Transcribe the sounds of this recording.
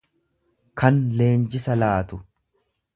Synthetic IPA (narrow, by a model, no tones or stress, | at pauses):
kɐnle̞ːnd͡ʒɪsɐlaːt̪ʊ